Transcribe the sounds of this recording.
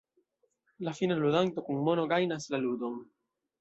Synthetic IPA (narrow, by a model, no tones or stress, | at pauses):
lafinaluðant̪okuŋmonoɡajnaslalud̪oŋ